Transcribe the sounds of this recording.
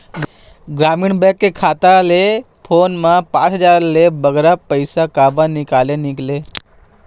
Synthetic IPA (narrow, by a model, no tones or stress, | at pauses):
ɡ | ɡɾaːmɪɳbɛ̃kːekʰaːt̪ale | pʰoːnmãpã̰ːt͡ʃɦəd͡ʒaːɾlebəɡɾapəɪsakaːbãnɪkaːlenɪkleː